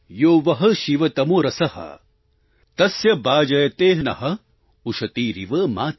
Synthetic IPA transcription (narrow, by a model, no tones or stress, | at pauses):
joːʋɐɦɐʃiʋɐt̪ɐmoːɾɐsɐhɐ̰ | t̪ɐsjɐbaːd͡ʒɐjɐt̪eːɦnɐ̰ɦɐ | uʃɐt̪iːɾiʋəmaːt̪